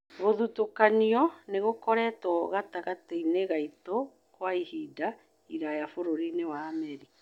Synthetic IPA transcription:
ɣoðutokaniɔneɣokɔɾɛtɔɣataɣateineɣaito | kwaihida | iɾajafoɾoɾinewaːmɛɾi

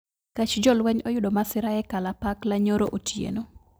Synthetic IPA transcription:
kat͡ʃd͡ʒɔlwɛɲɔjʊdomasɪɾaɛkalapaklaɲoɾoʔotʰjḛno

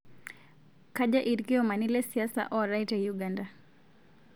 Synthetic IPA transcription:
kaʄaʔiɾkiɔmanilɛsiasa̰ʔɔɾajtajuɡanda

